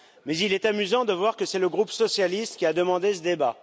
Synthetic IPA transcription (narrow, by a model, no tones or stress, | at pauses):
mɛzilɛt̪amyzɑ̃d̪əvwaʁkəsɛləɡʁupsɔsjalist̪kʲiad̪əmɑ̃d̪esəd̪eba